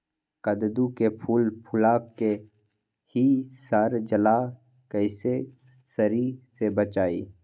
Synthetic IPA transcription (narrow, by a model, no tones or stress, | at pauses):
kəd̪d̪ukepʰuːlpʰʊlaːkːe | hisaɾd͡ʒəla | kəɪse | səɾisebət͡ʃaːḭː